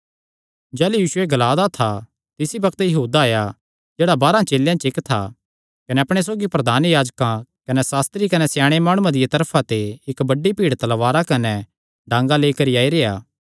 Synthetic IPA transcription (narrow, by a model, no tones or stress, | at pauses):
d͡ʒɛːlujiːʃʊeɡɐlaːd̪at̪ʰa | t̪ɪsibɐkʰt̪jɐɦuːd̪aːja | d͡ʒeːɽabaːɾãt͡ʃeːljãt͡ʃɪkt̪ʰa̰ | kɐnɛɐpɽ̃es̬oːɡipɾɐd̪ʱaːnjaːd͡ʒkãkɐnɛsaːst̪ɾikɐnɛsjaːɽ̃emaːɽ̃ũãd̪ɪjat̪ɐɾpʰãt̪eɪkbɐɖːipiːɽt̪ɐlʋaːɾakɐnɛ | ɖãːŋɡaleːikɐɾiaːiɾeːjaː